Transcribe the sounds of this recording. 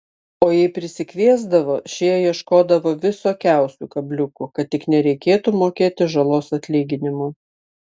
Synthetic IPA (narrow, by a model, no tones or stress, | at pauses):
oːjɛɪpʲɾʲɪsʲɪkʲʋʲiɛzd̪ɐʋoːʃʲiːjiɛʃkoːd̪ɐʋoːʋʲɪsoːkʲæˑʊsʲuːkɐbʲlʲʊkʊkɐt̪̚ʲt̪ːʲɪknʲɛɾʲɛɪkʲeːt̪umoːkʲeːt̪ʲɪʒɐlˠoːsɐt̪ʲlʲiːɡʲɪnʲɪmu